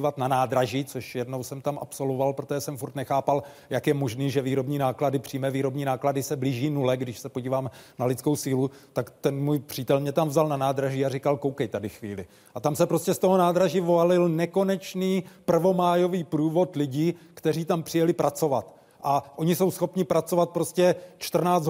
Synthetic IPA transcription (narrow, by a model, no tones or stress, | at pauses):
vat̪nanaːd̪ɾaʒiːt͡so̞ʃjɛdnowsɛmt̪amʔa̰pso̞lvovalpɾot̪oʒɛsɛmfuɾt̪nɛxaːpal | jakjɛmo̞ʒniːʒɛviːɾo̞bɲiːnaːkladɪpr̥iːmɛviːɾo̞bɲiːnaːkladɪsɛbliːʒiːnulɛɡdɪʃsɛpo̞ɟiːvaːmnalɪt͡sko̞wsiːlut̪akt̪ɛnmuːjpr̝̥iːt̪ɛlmɲɛt̪amvzalnanaːd̪ɾaʒiːarɪkalkowkɛjt̪adɪxvḭːlɪ | ʔat̪amsɛpɾo̞scɛst̪oɦonaːd̪ɾaʒivoalɪlnɛko̞nɛt͡ʃniːpr̩vo̞maːjo̞viːpɾuːvo̞t̪lɪɟiːkt̪ɛriːt̪ampr̥ɪjɛlɪpɾʔat͡so̞vat̪ | ʔaʔo̞ɲɪso̞wsxo̞pɲɪpɾat͡so̞vat̪̚pɾo̞scɛt͡ʃt̪r̩naː